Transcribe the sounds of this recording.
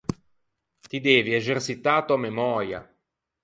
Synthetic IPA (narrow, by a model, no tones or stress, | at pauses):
t̪id̪ɛːvieʒersit̪aːt̪oamemɔːɾja̰